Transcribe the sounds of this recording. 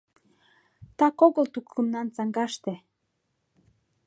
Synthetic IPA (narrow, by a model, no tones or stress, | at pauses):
t̪ɑkoɣə̆lt̪ukːə̆mnɑnt͡sɑŋɡɑʃt̪e